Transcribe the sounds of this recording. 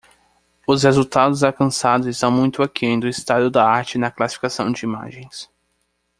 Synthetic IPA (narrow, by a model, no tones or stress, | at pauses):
ʊshezuwt̪ad̪ʊzawkɐ̃sad̪ʊzɪst̪ɐ̃w̃mũj̃t̪ʊakiẽj̃d̪ʊɪst̪ad̪ʊd̪ɐaɾt͡ʃɪnɐklasifi̥kasɐ̃w̃d͡ʒɪima̰ʒẽj̃s